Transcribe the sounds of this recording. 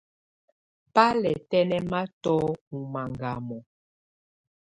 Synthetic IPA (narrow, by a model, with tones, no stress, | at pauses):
pa˦lɛ˨tɛ˦nɛ˦ma˦tɔ˦u˨ma˨ŋɡa˨mɔ˨